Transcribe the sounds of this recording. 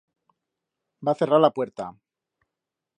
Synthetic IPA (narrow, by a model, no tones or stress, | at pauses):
baθe̞raɾlapwe̞ɾt̪a